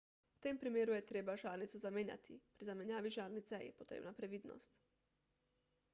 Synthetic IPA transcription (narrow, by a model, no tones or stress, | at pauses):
wt̪eːmpɾimeːɾujɛt̪ɾeːbaʒaːɾnit̪suzameːnja̰t̪ʰḭpɾizamɛnjaːʋiʒaːɾnit̪sɛjɛ̰pot̪ɾḛːbnapɾɛʋiːd̪nɔ̰st̪